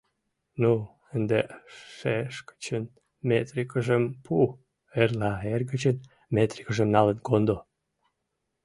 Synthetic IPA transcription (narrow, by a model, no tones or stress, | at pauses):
nu | ənd̪eʃeʃkə̥t͡ɕən | met̪rikəʒəmpʰu | erlɑerɡət͡ɕən | met̪ri̥kəʒəmnɑlə̆nkond̪o